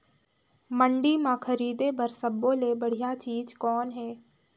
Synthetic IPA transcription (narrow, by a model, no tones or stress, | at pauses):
mə̃ɳɖimãkʰɐɾiːd̪ebɐɾsəbːõːlebɐɽ̤ijat͡ʃiːd͡ʒkɔːnɦɛː